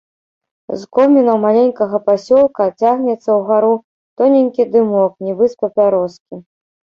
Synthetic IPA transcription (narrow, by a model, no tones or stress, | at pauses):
zkɔmʲinɐwmalʲenʲkɐɣɐpasʲɔlˠkɐt͡sʲaɣnʲɛt̪sːɐwɣaɾu | t̪ɔnʲenʲkʲid̪ɨmɔknʲibɨspɐpʲaɾɔskʲi